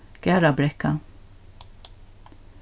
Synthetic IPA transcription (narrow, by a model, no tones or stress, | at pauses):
ɡ̥æɾabɾɛka